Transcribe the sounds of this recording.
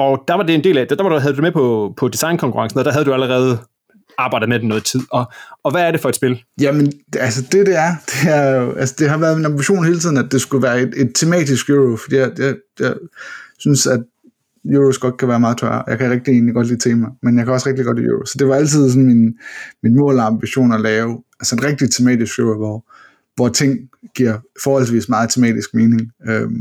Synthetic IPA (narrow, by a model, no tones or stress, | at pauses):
ɒ̽d̥æʋɑ̈d̥e̝e̝nde̝̰ːlæd̥d̥ɑʋɑɾuɦæðˠdu̥d̥emepʰɒpʰɒ̽d̥isɑ̈ɪnkʰɒ̽ŋkʰuʁɑ̈ŋsən̩ːd̥æɦæð̞ˠd̥uæləʁɛːð̞̩ˠ | ɑ̈ːb̥ɑ̈ɪ̰dð̩ˠmed̥emnɔ̽ːð̩ˠt͡sʰið̰ˠɒ̽ːʋæːɐɾ̥e̝fɒ̽ed̥sb̥e̝ljæmenælsəd̥e̝d̥e̝æɐd̥e̝æɐjo̝ælsəd̥e̝ɦɑ̈ʋæːɐð̞ˠminɑmbiɕo̝̰ːnhe̝ːlt͡siðˠn̩ædd̥e̝sɡ̥uʋæːɐe̝d̥e̝d̥̚t͡sʰe̝mɛ̰ːd̥isɡ̥joːʁofd̥ḭːjɑɪjɑ̈ɪ | jɑɪsynsæd̥̚ | juosɡ̥ɒ̽d̥kʰæʋæːɐmɑ̈ːð̞̩ˠt͡sʰɶɐ̰ɒjɑ̈ɪkʰæʁɛɡ̥̚d̥ie̝ːnliɡ̥ɒ̽d̥liːt͡sʰḛːmɑ̈ɪmenjɑ̈ɪkʰæɒ̽sʁɛɡ̥d̥iɡ̥ɒ̽d̥ijṵosɒ̽d̥e̝ʋɑ̈æl̰t͡sʰið̞̰ˠsɔ̽n̩minminmɔ̰̽ːlɑ̈mb̥iɕo̝̰ːnɒlɛːʊælsəe̝nʁɛɡ̥̚d̥it͡sʰe̝mɛ̰ːd̥isɡ̥jooʋɒ | ʋɒt͡sʰe̝ŋ̰ɡ̥iɐ̰fɒːhɒ̽l̰s̬ʋḭːsmɑ̈ːð̩ˠt͡sʰemɛ̰ːd̥isɡ̥me̝ːne̝ŋøm